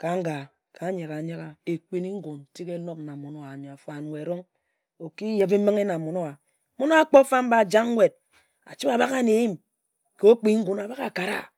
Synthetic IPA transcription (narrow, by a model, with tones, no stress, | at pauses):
ka˨ŋ˦ɡa˨ | ka˨˦ɲe˨ɣa˨ɲa˦ka˨e˨k͡pe˨ni˦ŋ̩˦ɡu˨n̩˨ti˦ke˦no˦k̚na˨mo˨no˦wa˨ɲ˨a˨fa˨n˨wʷe˨ɾo˦ŋ | o˨ki˦je˨be˦mi˦ŋe˦na˨mo˨no˦wa˨ | mo˦no˦a˦k͡po˦fa˦m̩˦ba˨d͡ʒa˦ŋ˦wʷe˨d̚ | a̰˨t͡ʃi˦ba˨ba˦ka˦ne˨˦ji˦m | ko˦k͡pi˦ŋ̩˦ɡu˨na˨ba˦ka˨ka˨ɾa̰˦